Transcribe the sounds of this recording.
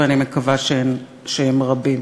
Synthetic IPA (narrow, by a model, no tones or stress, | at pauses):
animekavaʃeen | ʃeemʁabim